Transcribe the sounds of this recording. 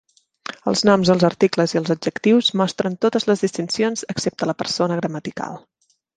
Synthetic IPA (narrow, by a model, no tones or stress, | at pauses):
ə̰lˠznɔmzðəlˠzərt̪ikləziəlˠzud͡ʒəkt̪iwzmɔst̪ɾənt̪ot̪əzləzðist̪insionzəksep̚t̪ələpərsonəɣɾəmət̪ika̰lˠ